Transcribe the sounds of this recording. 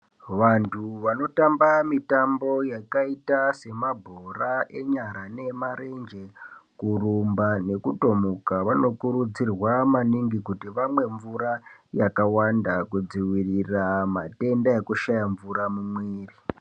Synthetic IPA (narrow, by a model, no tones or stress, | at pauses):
ʋantʰuʋano̞tambamitambo̞jakaitase̞mabʱorae̞ɲaɾane̞maɾe̞nd͡ʒe̞kurumbane̞kuto̞mukaʋano̞kuɾud͡zirwamaniŋɡikutiʋamwe̞ɱvuɾajakawandakud͡ziwiriramate̞ndaekuʃajaɱvuɾamumwiːri